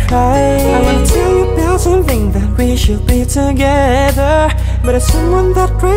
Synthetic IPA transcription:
aɪ | ɪwɨ̃tʰɛlˠjɨbɛlˠsʌ̃mθɪ̃ŋðɨt̚wiʃɨd̚bitʰɨɡɛ | ðə˞ | b̥ʌɾə̥sʌ̃mwʌ̃nðət̚kʰɹ̥a

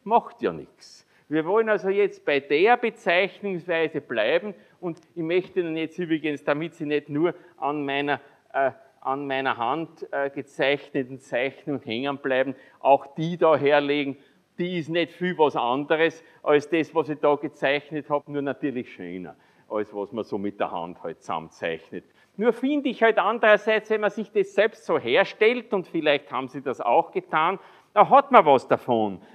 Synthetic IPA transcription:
mɑxtjɑ̰ːnɪ̰ks | viːɐvɔlənalzojɛt͡st̚b̥æɪd̥eːɐbət͡sæɪçnʊŋsvæɪzəb̥læɪbm̩ | ʊndɪçmœçtənənjɛt͡sstyːbʁɪɡənsd̥amitsinednuːɐʔanmæɪnɐ | ʔə | ʔanmæɪnɐɦãntəɡ̥ət͡sæɪçnətn̩t͡sæɪçnʊŋhɛŋənb̥læɪbm̩ | ʔa̰ʊxd̥iːdɑːɦeːɐleːɡŋ̩ | d̥iːɪsnɛtfyvɑsandəʁəs | ʔɑlsd̥ɛsvɑsɪd̥ɑːɡ̥ət͡sæɪçnəthɑːbnuːɐnatyːɐlɪçʃø̰ːnɐ̰ | ʔɑlsvɑsmɐsoːmɪt̚d̥əɐhã̰nthɔɪtsa̰mt͡sæ̰ɪçnət | nuːɐfɪ̃ndəɪçhɔltandəʁɐsæɪt͡sʋɛnmɐsɪçd̥ɛssɛlpstsoːɦeːɐʃtɛltʊntfɪlæɪçtha̰ːbm̩siːdɑsa̰ʊxɡ̥ətʰaːn | dɑɦɑtmɐvɑsd̥afon

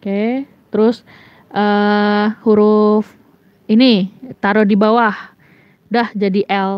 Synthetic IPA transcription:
oke | t̪əɾʊs | ʔə | huɾʊf | init̪aɾɔdibawah | dahd͡ʒadiʔɛl

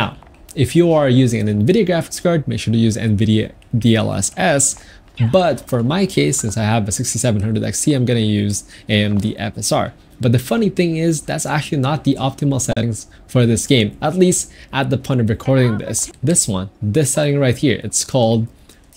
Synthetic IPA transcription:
naʊ | ɨfjɨəə˞jʉzɪ̃ŋɨ̰̃nɨ̃nvɪɾiɨʊɡɹæfɪ̥kskɑɹd̚meɪkʃʊɹɾɨjʉzɛ̰̃nvɪɾi | diɛ̰lˠɛ̰sɛs | bʌtfə˞maɪkʰeɪsɪ̃nsaɪəvɨsɪkstisɛṽnhʌ̃ndɨɾɛ̰ksiãɪ̃mɡʌnɨjʉzɛ̃mðḭʔɛ̰fɛsɑ̰ɹ | b̥ʌt̪̚ðɨfʌniθɪ̃ŋɪzðætsæk̚t͡ʃʉl̩ˠinət̪̚ðiʔɑp̚tʰɨml̩ˠsɛɾɪ̃ŋz̥ | fə˞ðɪsɡ̥ẽɪ̃mətˡlistʔət̪̚ðəpʰɔ̃ɪ̃ntʌvɹɨkʰɔɹɾɪ̃ŋðɪ̰sðɪswʌ̰̃nðɪsɛɾɪ̃ŋɹaɪt̚hiɹɨ̰tskʰɔlˠd̚

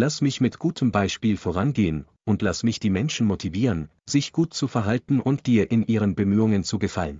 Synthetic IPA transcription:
lasmɪçmɪtɡ̥uːtʰəmbaɪʃpiːlfoʁ̞anɡeːən | ʔʊntʰlasmɪçd̥iːmɛnʃn̩motʰiviːʁən | z̥ɪçɡ̥uːtt͡sufɛɐɦaltn̩ʔʊntd̥iːɐʔɪnʔiːʁ̞ənbəmyːʊŋənt͡suɡəfalən

